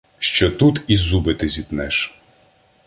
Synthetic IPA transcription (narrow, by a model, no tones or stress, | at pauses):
ʃt͡ʃɔt̪ut̪izubɪt̪ɪzʲit̪nɛʃ